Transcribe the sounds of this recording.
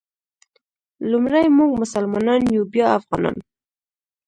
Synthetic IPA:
lumɾajmuɡ̚mʊsalmɑnɑnjubjɑafɣɑnɑ̰n

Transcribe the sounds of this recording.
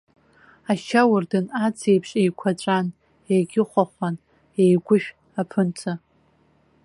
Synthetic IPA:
aʃawʊrdɨnat͡sʰe̞jpʰʂʼejkʷʰaʈ͡ʂʷʼan | ejɡʲɪχʷaχʷan | ejɡʷʊʃᶣ | apʰɨnt͡sʰa

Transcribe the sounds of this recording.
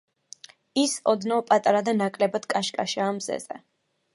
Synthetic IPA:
isɔd̪napʼat̪ʼaɾad̪anakʼlɛbad̪̥kʼaʃkʼaʃiamzɛ̰z̥ɛ̰

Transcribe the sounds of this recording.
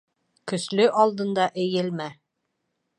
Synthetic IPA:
kɵ̆slɵʔɑlˠd̪ɤ̆nd̪ɑʔɘ̆jɘlmæ

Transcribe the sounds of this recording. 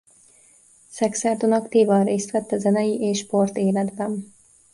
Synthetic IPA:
sɛksɛɾt̪unɒkt̪iːvɑnreːst̪ʋɛt̪ːɛzɛnɛjiʔeːʃːport̪eːlɛd̪bɛm

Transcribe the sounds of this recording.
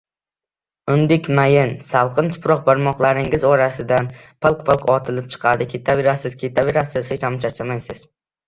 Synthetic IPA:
ʊnd̪ɪkʲmajɪnsalˠqʰɨnt̪ʰʊ̥pɾɒq̚baɾmɒqlˠaɾɪŋɪzɒɾasɪd̪an | pʰɨlˠqpʰɨlˠqʰɒt̪ʰɪlɪp̚t͡ʃʰɨ̥qʰɑd̪ɪkʲʰe̞t̪ʰabe̞ɾasɪzkʲʰe̞t̪ʰabe̞ɾasɪzhet͡ʃʰamʊt͡ʃʰat͡ʃʰamajsɪz̥

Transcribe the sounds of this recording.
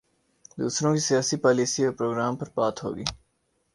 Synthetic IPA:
d̪ṵːsɾõːkisijaːsipaːliːsiɔːpɾoːɡɾaːmpɐɾpaːt̪ɦo̰ːɡḭː

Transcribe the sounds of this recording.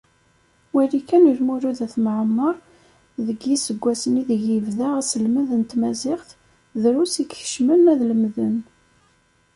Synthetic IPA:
wælikænəlmuɾuðæθməʕəmːəɾˤ | ðəɡisəɡʷːæsəniðəʝivðaæsəlməðənt̪mæzɪχθ | ðɾusikçə̥ʃmənæðləmðən

